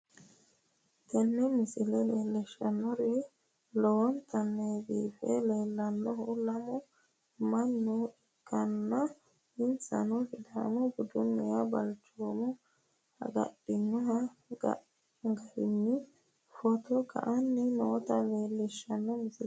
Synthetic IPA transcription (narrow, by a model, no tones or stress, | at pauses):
t̪ɐnːɛmɪsɪlɛleːlːɛʃːɐnːɔɾɛ | lɔwɔnt̪ʰɐnːɛbḭːfɛ̰leːlːɐnːɔhɔlɐmɔ | mɐnːɔɛkːɐnːɐ | ɪnsɐ̰nɔɡɪd̪a̰mɔbʊd̪ʊnːɛjɐbɐlt͡ʃoːmɔ | hɐ̰ɡɐ̰ɗɪnːɔɦɐɡɐ̰ | ɡɐɾɪnːɪ | fɔt̪ɔɡɐ̰ʔɐnːɪnɔt̪ɐleːlːɪʃːɐnːɔmɪsɪl